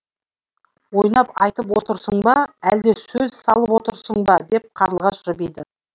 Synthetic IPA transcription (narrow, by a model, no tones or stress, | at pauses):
wo̞jnɑpɑjt̪əpwo̞t̪əɾsəɴbɑæld̪e̞sɵzsɑlˠəpwot̪əɾsəɴbɑd̪e̞p̚qʰɑɾəlˠʁɑʃʒɪbejd̪ə